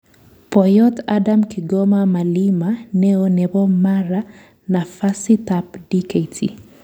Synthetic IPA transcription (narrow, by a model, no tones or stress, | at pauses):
pɔjɔt̪adamkiɡɔmamalimanɛonɛβɔmaɾa | nafasit̪apdikaitʰḭ